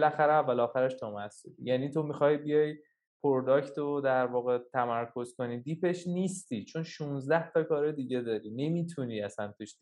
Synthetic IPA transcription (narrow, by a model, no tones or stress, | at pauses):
belæxæɾeævːælɒːxæɾeʃt̪ʰɒmæsṵlijæːniːt̪ʰo̞mixɒːjibijɒj | pʰoɾd̪ɒːcʰt̪ʰod̪æɾvɒːɣet̪ʰæmæɾkʰo̞zko̞niːd̪iːpʰe̞ʃniːst̪it͡ʃʰo̞nʃunzd̪æht̪ʰɒkɒːɾed̪iɟed̪ɒːɾine̞mit̪ʰuniæsænt̪ʰiʃ